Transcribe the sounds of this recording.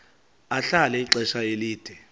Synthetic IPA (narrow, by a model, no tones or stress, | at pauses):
aɬalɛiǀɛʃaeliːd̥ʱɛ